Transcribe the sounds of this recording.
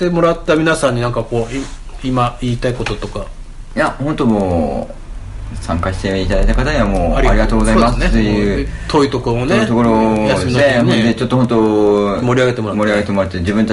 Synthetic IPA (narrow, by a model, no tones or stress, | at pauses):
t̪e̞mo̞ɾat̪ːamʲinasãɲ̟ːinãŋkako̞ːi | imaiːt̪aiko̞t̪o̞t̪o̞ka | jahont̪o̞moː | sãŋkaɕi̥t̪eit̪ad̪ait̪akat̪aɲiβamoːɾʲaɾʲiɡat̪oːɡozaimasnet̪ejɯt̪ʰo̞it̪o̞koomoneit̪okoɾojasdɨemined̪et͡ɕot̪ːohõ̞nt̪omo̞ɾʲiaɡe̞t̪e̞mo̞ɾamo̞ɾʲiaɡe̞t̪emo̞ɾat̪ːed͡ʑibɯ̃nt̪a